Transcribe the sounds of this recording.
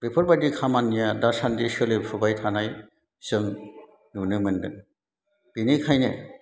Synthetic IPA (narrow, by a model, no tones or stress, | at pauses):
b̥epʰɔɾbajdikʰamanːijadasandisɯlɯpʰɯbajtʰanaj | sɯŋ | nunɯmɯndɯ | b̥inikʰajnɯ̰